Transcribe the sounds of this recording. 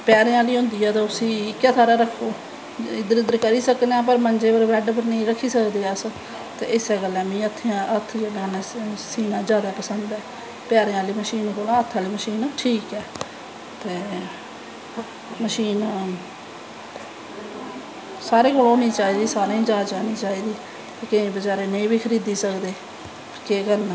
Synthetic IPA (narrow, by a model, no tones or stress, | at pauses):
pjaːɾẽːãːliːɦʊ̃ːnd̪iːaːt̪ãːʊsĩːɪkjãːt̪ʰaːɾaːɾəkʰːoː | ɪd̪əɾɪd̪əɾkəɾiːsəkd̪eãːp̬əɾmənd͡ʒeːpəɾʋɛːɖp̬əɾnəĩːɾəkʰːiːsəkd̪eːaːs | t̪ḛːʔɪsɛːɡəlɛ̃ːmĩːət̪ʰːeãːət̪ʰːd͡ʒəɡãːnɛ̃ːsiːnãːd͡ʒjaːd̪aːpəsənd̪ɛː | pjaːɾeːãːliːməʃiːnkoːlãːət̪ʰːãːliːməʃiːnʈʰiːkɛː | t̪eː | məʃiːn | saːɾeːkoːloːniːt͡ʃaːiːd̪iːsaːɾãːĩːd͡ʒaːd͡ʒaːniːt͡ʃaːiːd̪iː | t̪eːkɪẽːbəd͡ʒaːɾeːnəĩːbiːkʰəɾiːd̪iːsəkd̪eː | keːkəɾnː